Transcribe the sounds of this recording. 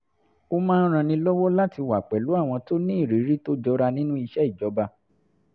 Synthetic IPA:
o˦mãː˦n̩˦ɾ̃ã˧nĩ˧lɔ˦wɔ˦la˦ti˧wa˨k͡pɛ˨lu˨˦a˦˨w̃ɔ̃˧to˦nĩ˦i˦˨ɾi˨˦ɾi˦to˦d͡ʒɔ˧˦ɾa˧nĩ˦nũ˦i˧ʃɛ˦i˦˨d͡ʒɔ˨˦ba˧

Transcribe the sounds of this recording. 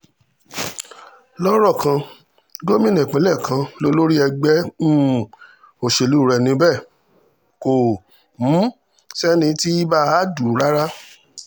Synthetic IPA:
lɔ˦ɾɔ˦˨kʰã˧ | ɡo˦mĩ˦nĩ˨k͡pẽ˨˦lɛ˦˨kʰã˧lo˦lo˦ɾi˦ɛ˧ɡ͡bɛ˦˨ | o˨ʃe˨lu˨˦˨ɾɛ˨nĩ˧˦bɛ˦˨ | ko˨ | m̩˨˦ | sɛ˦nĩ˧ti˦i˦ba˦a˨˦du˨ɾa˦ɾa˦

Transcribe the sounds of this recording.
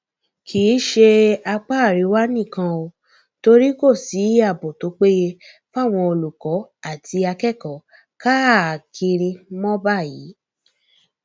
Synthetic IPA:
kʰiː˨˦ʃe˧a˧k͡pa˦˨ɾi˨˦wa˦nĩ˦˨kã˧o˧ | to˧ɾi˦ko˦˨si˨˦a˦˨bo˨to˨˦k͡pe˦je˧ | fa˦˨w̃ɔ̃˧o˧lu˨kɔ˨˦a˦˨tʰi˧a˧kɛ˦˨kɔ˨˦ | ka˦˨kʰi˧ɾ̃ĩ˧mɔ̃˦ba˦˨ji˨˦

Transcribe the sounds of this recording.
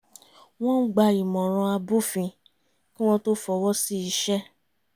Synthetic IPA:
w̃ɔ̃˦n̩˦ɡ͡ba˧i˨mɔ̃˨ɾ̃ɔ̃˧a˧bu˦fĩ˧ | kĩ˦w̃ɔ̃˦to˦fɔ˧wɔ˦si˦i˧ʃɛ˦

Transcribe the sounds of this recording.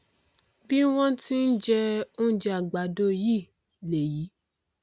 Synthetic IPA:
bi˦w̃ɔ̃˦ti˦n̩˦d͡ʒɛ˧o˦n̩˦d͡ʒa˨ɡ͡ba˨do˦˨ji˦˨ | le˨ji˨˦

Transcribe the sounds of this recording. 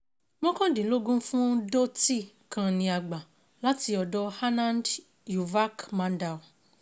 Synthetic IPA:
mɔ̃˦kɔ̃˦dĩ˨lo˦ɡũ˦fũ˦do˦ti˦˨ | kã˧nĩ˧a˨ɡ͡ba˨ | la˨˦ti˧ɔ˨dɔ˦ha˦nã˦nd | ju˨va˦kmã˨˦nda˨

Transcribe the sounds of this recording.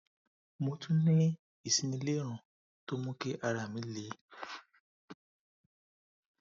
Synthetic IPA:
mo˧tʰũ˦nĩ˦ | i˨sĩ˨˧nĩ˧le˦ɾ̃ã˨ | to˦mũ˦ke˦ʔa˧ɾa˨mĩ˨˦li˨˦

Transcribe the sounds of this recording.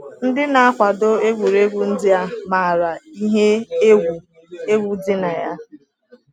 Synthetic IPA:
n̩˦dɪ˦na˨a˦kʷa˨do˦e˦ɡʷu˨ɾe˦ɡʷu˨n̩˦dɪ˦a˦ma˨ɾa˨i˦ɦe˦e˦ɡʷu˨ | e˦ɡʷu˦dɪ˦na˨ja˦

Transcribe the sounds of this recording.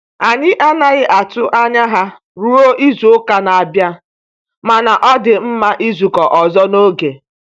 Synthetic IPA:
a˨ɲɪ˦ʔa˦na˨ɣɪ˦ʔa˨tʊ˦ʔa˦ɲa˦ɦa˦ | ɾu˦o˦ʔi˦zu˨ʊ˦ka˦na˨a˨bja˦ | ma˨na˨ʔɔ˦dɪ˨m̩˦ma˦ʔi˦zu˨kɔ˨ʔɔ˨zɔ˦no˦ɡe˨

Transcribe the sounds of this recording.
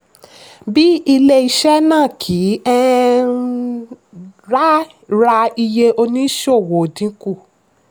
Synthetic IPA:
bi˦i˧le˦˧i˧ʃɛ˦nãː˦˨kʰiː˨˦ɛ˦ | ɾa˦ | ɾa˧i˧je˧ʔo˧nĩ˦ʃo˦˨wo˨dĩ˨˦ku˦˨

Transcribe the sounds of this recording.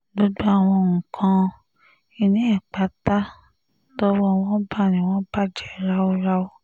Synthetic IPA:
bo˦du˦a˦˨w̃ɔ̃˧ŋ̩˨kʰã˧ | i˧˨nĩ˨˦ɛ˦˨k͡pa˨˦ta˦ | tɔ˦wɔ˦w̃ɔ̃˦ba˦˨nĩ˨w̃ɔ̃˦ba˦˨d͡ʒɛ˨˦ɾa˦o˦ɾa˦o˦

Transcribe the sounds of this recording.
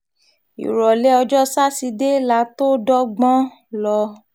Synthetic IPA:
ḭ˨ɾɔ˨le˨˦ɔ˧d͡ʒɔ˦sa˦si˧de˦la˦to˦dɔ˦ɡ͡bɔ̃˦ | lɔ˧

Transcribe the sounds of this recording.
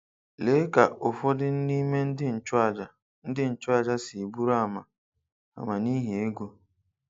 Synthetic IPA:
le˨˦ka˨ʔʊ˨fɔ˦dɪ˦n̩˦ni˦me˦n̩˦dɪ˦n̩˨t͡ʃʊ˦a˨d͡ʒa˨ | n̩˦dɪ˦n̩˨t͡ʃʊ˦a˦˨d͡ʒa˦si˨bu˦ɾa˦˨ma˨ | a̰˨ma˨ni˦ɦe˨e˦ɡo˦

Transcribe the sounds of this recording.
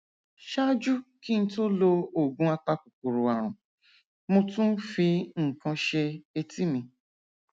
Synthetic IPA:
ʃa˦d͡ʒu˦ki˦n̩˦to˦lo˧o˨ɡũ˦a˦k͡pa˧ku˨ku˨ɾu˨a˨ɾʊ̰̃˨ | mũ˦tũ˦fi˧ŋ̩˨kã˧ʃe˧e˧ti˦mĩ˧

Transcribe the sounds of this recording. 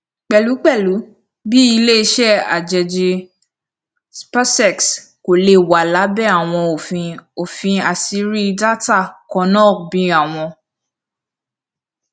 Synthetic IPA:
k͡pɛ˨lu˨˦k͡pɛ˦˨lu˨˦ | bi˦i˧le˦i˧˦ʃɛ˦a̰˨d͡ʒɛ˨d͡ʒi˧ | spa˦sɛ˦˨ks | ko˨le˧˨wa˨la˨˦bɛ˦˨a˦˨w̃ɔ̃˧o˨fĩ˧o˨fĩ˧a˨si˧˦ɾi˦da˦ta˦˨kɔ̃˧nɔ̃˦˨bĩ˨˦a˦˨w̃ɔ̃˧

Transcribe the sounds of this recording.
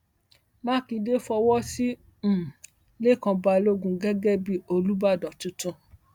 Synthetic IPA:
mã˦kĩ˧de˦fɔ˧wɔ˦sĩ˦˨ | le˦˨kɔ̃˧ba˧lo˦ɡũ˧ɡɛ˦ɡɛ˦bi˦o˧lu˦ba˦˨dɔ̃˨tũ˨˦tũ˧

